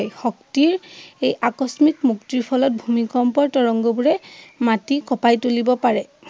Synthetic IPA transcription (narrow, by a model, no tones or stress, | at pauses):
jxɔk̚tiɹejʔakɔsmikmuktɹiɹpʰɔlɔt̚bʱumikɔmpɔɹtɔɹɔŋɡɔbuɹɛmatikɔpajtolibɔpaɹɛ